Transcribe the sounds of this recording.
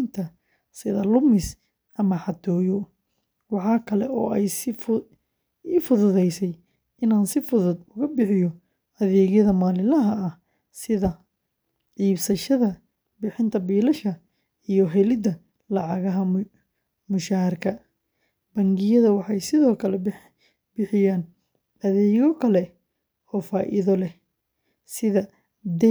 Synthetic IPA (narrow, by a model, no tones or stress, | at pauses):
nt̪ʰɐ | sɪðɐlʊmɪs | ʔɐmɐħɑt̪ʰɔːjɔ | wɑħɑːkʰɐlɛɔːɛjsɪ | iːfʊðʊðɛjsɛj | ɪnaːnsɪfʊðʊd̪ʊɣɐbɪħɪjɔ | ɐðɛːɣjɐðɐmaːlɪlɐɦɐɐh | sɪðɐ | ʕiːbsɐʃɐðɐ | bɪħɪnt̪ʰɐbiːlɐʃkʰɐ | ijɔɦɛlɪd̪ɐ | lɑʕɑɣɐɦɐ | mʊʃaːrkʰɐ | b̥ɐŋɡɪjɐðɐwɑħɑjsɪðɔːkʰɐlɛb | bɪħɪjaːn | ɐðɛːɣɔkʰɐlɛ | ɔːfaːʔɪ̰ðɔlɛh | sɪðɐ | d̪ɛ